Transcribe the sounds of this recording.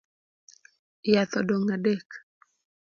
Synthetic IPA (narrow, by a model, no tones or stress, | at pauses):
jat̪ɔdɔŋadɛk